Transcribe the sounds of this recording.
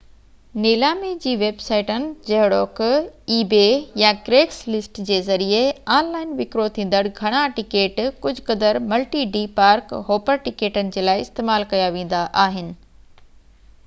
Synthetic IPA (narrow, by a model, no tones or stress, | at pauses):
neːlaːmed͡ʑiːʋeːbsaːɪʈənɪ̆d͡ʑɐɦɪɽoːkiːbejakɾeːkslɪsʈd͡ʑeːzɐɾieaːnlaːɪnʋɪkɾot̪ʰĩːnd̪əɽɡʱɐɽ̃aʈɪkeːʈkʊd͡ʑʱkɐd̪əɾmɐlʈiɖiːpaːɾkɦoːpəɾʈɪkeːʈənɪ̆d͡ʑeːlaːɪɪst̪eːmaːlkɐjaʋẽːn̆d̪aʔaːɦɪnɪ̆